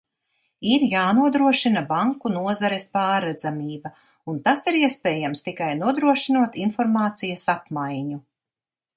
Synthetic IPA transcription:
iɾjaːnuɔd̪ɾuɔʃinɐbaŋkunuɔzaɾɛspaːɾːɛd̪zamiːbɐ | unt̪asiɾiɛspɛːjamst̪ikajnuɔd̪ɾuɔʃinuɔt̪infɔɾmaːt̪sijɐsapmajɲu

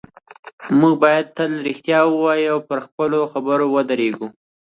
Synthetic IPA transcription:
muɡ̚bɑjad̪̚t̪əlɾixt̪jɑwəwɑjawpəɾxpəloxabəɾowəd̪əɾeɡu

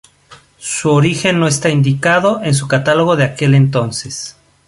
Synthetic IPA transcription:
suoɾixe̞nːo̞est̪aind̪ikaðo̞ʔe̞ns̬ukat̪alo̞ɣo̞ðe̞ake̞le̞nt̪̬o̞nse̞s

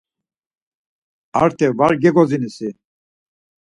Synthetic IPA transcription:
aɾt̪ʰɛvaɾɡɛɡɔzinisi

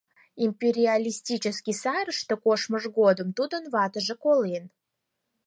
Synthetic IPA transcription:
impʲeɾʲialʲisʲtʲit͡ɕəskʲisɑɾəʃt̪okoʃməʒɣod̪ə̆mt̪ud̪ə̆nvɑt̪əʒə̆kolen

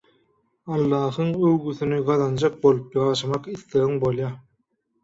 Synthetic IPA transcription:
ɑlˠːɑːɦɯŋøwɡyθynyɡɑðɑnd͡ʒɑk̚bo̞lˠupjɑʁɑʃɑmɑqiθleɣɯŋbolˠjɑ

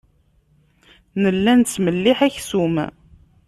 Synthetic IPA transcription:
nəlːænt͡sːməlːiħæçsum

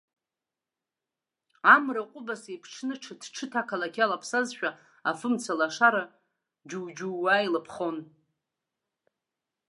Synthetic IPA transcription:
amraqʷʼʊbasepʰʈ͡ʂʰnɨʈ͡ʂʰadʰʈ͡ʂʰɨtʰakʰalakʲʰalapʰsazʃᶣa | afɨmt͡sʰalaʂaɾa | d͡ʒuwd͡ʒuːajilɨpʰχo̞n

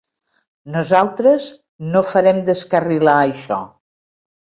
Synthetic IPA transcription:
nuzalˠt̪ɾəz | nofəɾɛmd̪əskərilaəjʃɔ̰

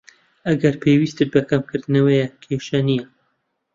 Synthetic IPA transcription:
ɐɡɐɾpʰeːwiːst̪ɨt̪̚bɐkɐmkʰɨɾd̪ɨnɐwejɛkʰeʃɐnijɐ

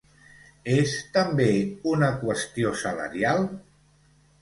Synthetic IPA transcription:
est̪əmbeunəkwəst̪iosələ̰ɾialˠ

